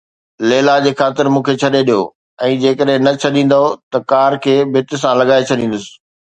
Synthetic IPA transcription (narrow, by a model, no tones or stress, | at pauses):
leːlad͡ʑeːkxaːt̪ɪɾmũːkʰet͡ɕʰɐɗeɗijoː | ɛ̃ːd͡ʑeːkəɗɦɪ̃nɐt͡ɕʰɐɗĩːn̆d̪aot̪ɐkaːɾkʰeːbʱɪt̪̆sãlɐɠaːet͡ɕʰɐɗĩːn̆d̪əsɪ̥̆